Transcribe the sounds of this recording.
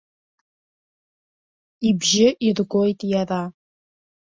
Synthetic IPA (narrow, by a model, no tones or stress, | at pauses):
ibʒɪʔirɡʷo̞jtʼjara